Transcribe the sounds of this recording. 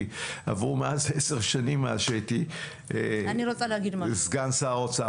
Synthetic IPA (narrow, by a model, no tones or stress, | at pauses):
a̰vʁumeazeseʁʃanimːaaʃeti | aniɾot͡saleaɡid̪mazɡansaːotsa